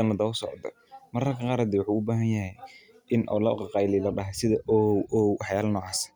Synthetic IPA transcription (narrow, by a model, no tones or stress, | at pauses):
ɐnɐd̪ɐʊsɔʕɔd̪ɐ̰ | mɐrkʰɐqɑːɾad̪ɛwʊħuːʊbaːɦɐnjɐɦɛj | ʔɪnʔɔ̰ːlɐqɑqɑjlilɐɗɐɦɐsɪðɐʔɔwɔːwħjaːlɐnɔːʕɑːsɐ̥